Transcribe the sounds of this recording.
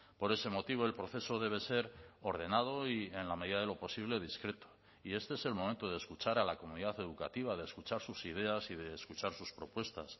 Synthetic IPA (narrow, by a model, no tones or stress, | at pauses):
po̞ɾe̞se̞mo̞t̪iβ̞o̞e̞lpɾo̞θe̞so̞ðe̞β̞e̞se̞ɾo̞ɾð̞e̞nað̞o̞ie̞nlame̞ðiðaðe̞lo̞po̞siβ̞le̞ðiskɾe̞t̪o̥ | ie̞st̪e̞ese̞lmoment̪o̞ð̞eːskut͡ʃaɾalako̞muniðaθe̞ðuka̰t̪iβ̞aðe̞skut͡ʃaɾsusiðe̞asiðe̞ːskut͡ʃaɾsuspɾo̞pwe̞st̪as